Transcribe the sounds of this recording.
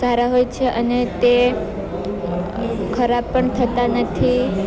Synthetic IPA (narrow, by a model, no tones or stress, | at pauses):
saɾaɦojt͡ʃʰeʔənet̪e | kʰəɾab̚pəɳt̪ʰət̪anət̪ʰi